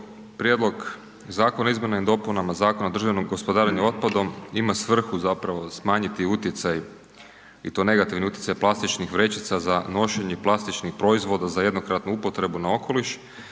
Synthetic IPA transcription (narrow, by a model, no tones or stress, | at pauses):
pɾjed̪lˠo̞ɡ | zaːkonaizme̞naind̪o̞punamazaːko̞naod̪r̩ʒaʋnomɡo̞spod̪aːɾaɲuo̞t̪̚pad̪o̞mimasʋr̩xuzapɾaʋo̞smaːɲit̪iut̪jet̪saj | ḭt̪o̞ne̞ɡat̪iʋniut̪je̥sajplˠast̪it͡ʃnixʋɾe̞t͡ʃit̪sazano̞ʃeɲeplˠast̪it͡ʃnixpɾo̞izʋo̞d̪azaje̞d̪no̞kɾat̪nuupo̞t̪ɾe̞bunao̞kʰo̞liʃ